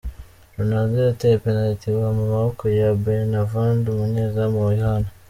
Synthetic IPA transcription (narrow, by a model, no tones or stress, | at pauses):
ɾunazeatepenaitiwamumahokojabenavaːndumuɲezamojihana